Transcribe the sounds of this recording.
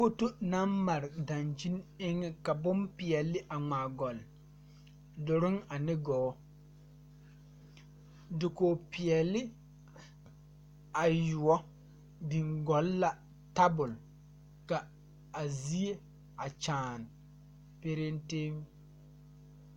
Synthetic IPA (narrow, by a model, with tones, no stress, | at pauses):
po˦to˦na˦nma˨ɾɪ˨da˨nd͡ʒi˦nɪ˦ŋɛ˦ka˨bʊ˦mpɪ˨ɛ˨lːɪ˦ʔa˨ŋ͡maː˨ɡɔ˨l | dʊ˨ɾɪ˦ŋa˨nɪ˦ɡɔ˨˦ | dɪ˨koː˨pɪ˨ɛ˨lːɪ˦ | a˨jʊ˨ɔ˦ | dɪ˨ŋɡɔ˨lːa˨ | ta˦bʊ˨l | ka˨ | a˨zi˦e˦ | a˨t͡ʃaː˨n˨ | pe˦ɾe˦nte˦ŋ